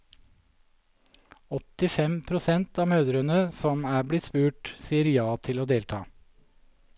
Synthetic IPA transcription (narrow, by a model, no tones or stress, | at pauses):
ɔt̪ɪfɛmpʰɾʊsɛnt̪ɑːmøːd̪ɾənəsɔmæːblɪt̪spʉːʈsiːəɾjɑːt̪ʰɪloːd̪eːlt̪ʰɑ̰ː